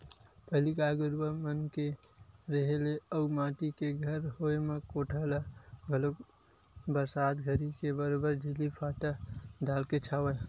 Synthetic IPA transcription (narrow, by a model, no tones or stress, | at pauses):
pəɦlikaɡʊɾbəmənke | ɾəɦeleəumaʈ̪ikeɡʱəɾɦoemekoʈʰəlaɡʱəlok | bəɾsad̪ɡʱəɾikebəɾobəɾd͡ʒilipʰaʈəɖalket͡ʃʰawə